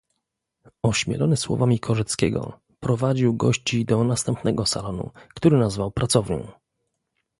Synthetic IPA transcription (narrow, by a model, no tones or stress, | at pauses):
ɔɕmʲjɛ̰lɔnɘswɔ̰vamʲikʰɔʐɛt̪skʲɛ̰ɡɔ̰ | pɾɔvad͡ʑiwɡɔɕt͡ɕid̪ɔnast̪ɛmpnɛɡɔsa̰lɔnṵkt̪uɾɘnazvawpɾat̪sɔvɲɔ̰̃w̃